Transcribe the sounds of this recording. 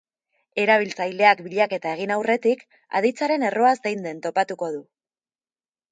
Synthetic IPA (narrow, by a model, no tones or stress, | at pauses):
e̞ɾaβ̞ilt͡sajle̞akbiʎake̞t̪ae̞ɣ̞inawre̞t̪ik | a̰ð̞it͡saɾe̞ne̞ro̞azd̪ejnd̪e̞nt̪o̞pat̪uko̞ðu